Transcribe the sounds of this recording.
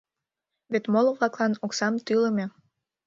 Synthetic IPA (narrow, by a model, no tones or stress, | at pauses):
βet̪moloβlɑklˠɑnoksɑmt̪yləmʲe